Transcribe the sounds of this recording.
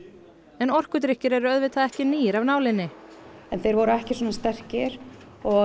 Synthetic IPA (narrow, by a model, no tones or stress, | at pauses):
ɛnɔr̥kʏt̪ɾɪhcːɪɾɛɾʏœðvɪt̪ʰaðɛhcɪniːjɪɾavnaːwlɪnːɪ | ɛnθejɾvɔɾʏɛhcɪswoɔːnast̪ɛr̥cɪɾ̥ | ɔ